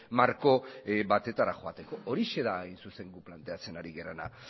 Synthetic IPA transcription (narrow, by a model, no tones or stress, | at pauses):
maɾko̞bat̪e̞t̪aɾaxo̞at̪e̞ko̞oɾiʃe̞ðajnsuse̞ŋɡuplant̪e̞at͡se̞naɾiɣeɾana̰